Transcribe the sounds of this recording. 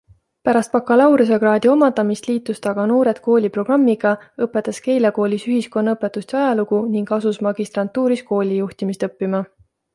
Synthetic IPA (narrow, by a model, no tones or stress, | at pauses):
pæɾɑst̪̚pɑkːɑlɑwɾus̬ekɾɑːd̪̥ʲio̞mɑd̪̥ɑmist̪liːt̪ːˑust̪ɑɡ̥ɑno̞ːɾe̞d̪̥ko̞ːlʲipro̞ɡ̥rɑmːiɡ̥ɑɤpːˑe̞t̪ːˑɑske̞jleko̞ːlʲisyɦisko̞nːɑɤpːˑe̞t̪ːˑust̪ɑjɑluɡuniŋɡɑsusmɑɡ̥ist̪rɑnt̪ːuːɾisko̞ːlʲijuht̪imist̪ɤpːimɑ